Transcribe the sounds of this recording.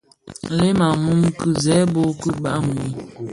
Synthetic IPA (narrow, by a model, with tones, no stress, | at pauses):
le˦ma˨mu˦mkɨ˦zɛ˨˦bo˦kɨ˦ba˦ʔm˨u˨˦